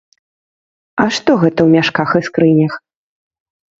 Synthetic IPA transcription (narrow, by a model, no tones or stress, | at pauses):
ɐʂt̪ɔɣɛt̪ɐwmʲaʂkaxɨskɾɨnʲɐx